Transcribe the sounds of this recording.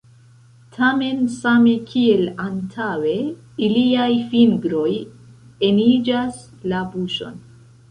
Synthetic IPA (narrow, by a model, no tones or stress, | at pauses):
tʰame̞nsame̞kʰie̞lantʰawe̞ | iliajfinɡɾo̞j | e̞nid͡ʒas | labuʃo̞̰n